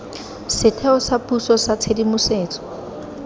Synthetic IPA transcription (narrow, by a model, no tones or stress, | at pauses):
sɪtʰɛɔsapusɔsat͡sʰedimʊseːt͡sʼɔ̥